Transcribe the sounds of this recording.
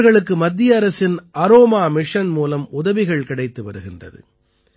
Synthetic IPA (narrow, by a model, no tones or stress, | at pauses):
ɣɐɭɯkːɯmɐd̪ːɪjɐːɾɐsɪnɐɾoːmaːmɪʂɐnmuːlɐmʊðɐʋɪɣɐɭkɪɽɐɪt̪ːɯʋɐɾɯɣɪndrɐ̰ðɯ̰